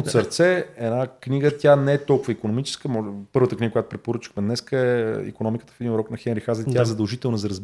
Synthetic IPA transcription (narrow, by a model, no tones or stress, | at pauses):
ot̪səɾt̪sɛɛnakniɡət̪ʲjanɛɛt̪ɔlˠkʊvəikonomit͡ʃɛ̥skəmɔpɤɾvət̪əkniɡəkojat̪ʊpɾɛt̪̚poɾət͡ʃi̥xmɛd̪nɛskəɛḭkonɔmikə̥t̪əfɛd̪inɾɔknɐxɛnɾixazɛt̪ʲjaɛzɐd̪əlˠʒit̪ɛlˠnəzɐɾəzb